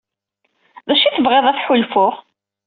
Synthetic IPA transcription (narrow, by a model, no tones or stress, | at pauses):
ðæʃiθəvʁeðˤæθħʊlfʊʁ